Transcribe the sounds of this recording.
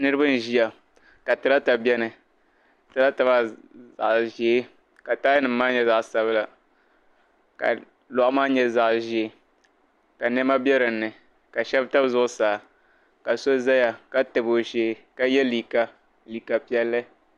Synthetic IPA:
nɨ˦ɾɨ˦bɨ˦n˨ʒi˦a˨ | ka˨tɨ˨la˦ta˨bɛ˦nɨ˨ | tɨ˨la˦ta˨ba˦za̰˨ʔʒe˨˦ | ka˨taː˦jnɨ˨mː˦aː˦ɲɛ˦za˨ʔsa˦βla˨ | ka̰˨ | lɔ˨ʔʊ˦maː˦ɲɛ˦za˦ʔʒe˨e˦ | ka˨nɛ˦ma˦bjɛ˦ɾɨ˨nːɨ˨ | ka˨ʃɛ˦bta˦bzʊ˦ʔʊ˦saː˨ | ka˨so˦za˦ja˨ka˦tɨ˨bo˨ʒeː˨˦ka˦jɛ˦li˨ka˨ | li˨ka˨pi˦ɛ˦lːɨ˦

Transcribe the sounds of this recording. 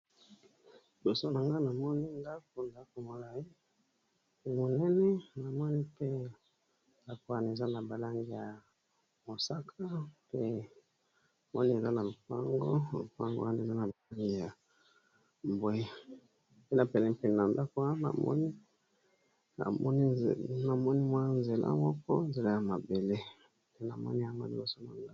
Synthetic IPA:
bo˨so˦na˨ŋɡa˦na˨mɔ˦ni˦nda˦k̚o˨nda˦ko˨mo˨la˨i˦ | mo˨nɛ˦nɛ˦na˨mɔ˦ni˦pe˦ | nda˦ko˨˦a˦n˨e˨za˦na˨ba˨la˦ŋɡi˨ja˨ | mo˨sa˦kʰa˦pe˦˨ | mɔ˦ni˦e˨za˦na˨lo˨pa˦ŋɡo̰˦lo̰˨pa˦ŋɡo̰˦a˦ne˨za˦na˨ba˨la˦ŋɡi˦ja˨ | m˨bo˦i˦ | pe˦na˨pɛ˨lɛ˦pɛ˨n˨na˨nda˦ko˦a˦na̰˨mɔ̰˦ni˦ | a̰˨mɔ˦ni˦˨na˨mɔ˦ni˦mwa˦nze˨la̰˦mɔ˦kɔ˦n˦ze˨la˦ja˨ma˨be˨le˦ | pe˦na̰˨mɔ̰˦ni˦a˦ma̰˨di˦o˦so˦˨mɔ˦n˦a˨

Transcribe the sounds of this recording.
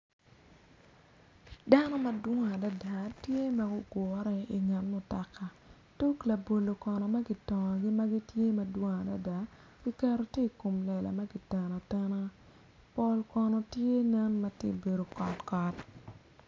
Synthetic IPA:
da˦nɔ˦ma˨dwo˦ŋ˨a˨da˦da˨tje˦ma˦ɡʊ˦ɡɔ˨˦ɾɛ˦i˨ŋɛ˨nmɔ˨ta˨kːa˨ | tu˦kla˨bo˨lo˨kɔ˨nɔ˨ma˦ɡi˦tɔ˨ŋ˨ɡi˦ma˦ɡi˦tje˦mɐ˨dwo˦ŋa˨da̰˦da˨˦ | ɡ̥i˦kɛ˦ɾo˦te˦˨ko˨mlɛ˨la̰˨ma˦ɡi˨tɛ˨na˨tɛ˦na˦ | po˨lkɔ˨nɔ˨tje˦nɛ˦nma˦tḭ˦˨be˨do˨kɔ˨tkɔ˨t

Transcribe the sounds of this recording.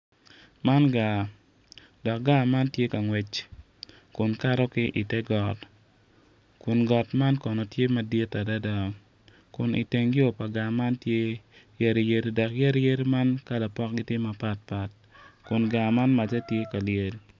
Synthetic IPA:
ma˦nɡa˨ | dɔ˨k̚ɡa˦ma˦ntje˦ka˨ŋwɛ˨t͡ʃ | kʊ˨nka˦ɾɔ˦kɪ˦ʔi˨tɛ˦ɡɔ˨t | kʊ˨nɡɔ˨tma˦nkɔ˨nɔ˨tje˦ma˨dje˦ta˨da˦da˨ | kʊ˨nḭ˨te˨ŋɡɪ˦o˨pa˨ɡa˨ma˦ntje˦je˨ɾi˨je˨ɾi˨dɔ˨kje˦ɾje˦ɾi˦ma˦nka˦la˨pɔ˦kɡɪ˦tje˦ma˨pa˦t̚pa˨t̚ | kʊ˨nɡa˨ma˦nma˨tɛ˦tje˦ka˨lɪje˨l

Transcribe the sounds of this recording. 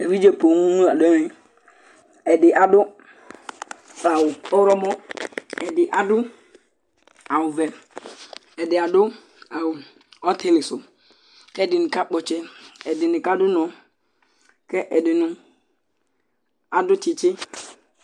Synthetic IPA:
e˨wi˦d͡ʒe˦po˨ŋũ˦nũ˦a˨dɛ˦wɪ˦ | ɛ˨dɪ˨ʔa˨dʊ˦ | a˨wʊ˨ɔ˦ɾɔ˦mɔ˦ɛ˨dɪ˨ʔa˨dʊ˦ | a˨wʊ˨vɛ˨ | ɛ˨dɪ˨a˨dʊ˦ | a˨wʊ˨ | ɔ˦t̪e˦lɪ˨sʊ˨ | kɛ˦ɛ˦˨dɪ˨nɪ̃˨ka˦k͡pɔ˨t͡ʃɛ˦ɛ˨dɪ˨nɪ˨ka˦dʊ˦nɔ̃˨ | kɛ˦ʔɛ˨dɪ˨nʊ̃˨ | a˨dʊ˦t͡ʃɪ˨t͡ʃɪ˦

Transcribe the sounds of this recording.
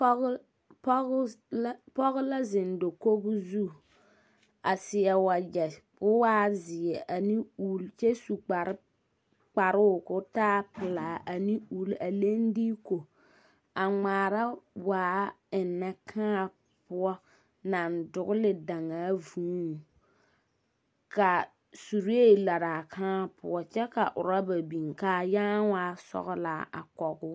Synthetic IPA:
pɔ˦ɣʊ˦la˦zɪ˨n˨do˨ko˦bʊ˦zu˦˨ | a˨sɪ˨ɛ˨wa˨d͡ʒɛ˨bʊ˦waː˦zɪ˨ɛ˨ʔa˨ni˦uː˦lt͡ʃɛ˦su˨k͡pa˨ɾɪ˦ | k͡pa˨ɾɪ˦˨kʊ˦taː˦pɪ˨laː˨ʔa˨ni˦u˨lʔa˨le˦n˦diː˦ko˨ | a˨ŋ͡maː˨ɾa˦waː˨˦ | ɪ˨nːɛ˦kʰã˦a˨ | pʊ˦ɔ˦ | na˨ndʊ˨ɣʊ˦lɪ˨da˨ŋaː˨˦vũː˦˨ | ka˨ | su˨ɾi˦e˦˨la˨ɾaː˨kʰãː˦a˨pʊ˦ɔ˦t͡ʃɛ˦ka̰˨ʔʊ˨ɾa˦ba˨bi˨ŋkaː˨˦jaː˦waː˦sɔ̰˨ɣla˨a̰˨kɔ˨ɡʊ˦

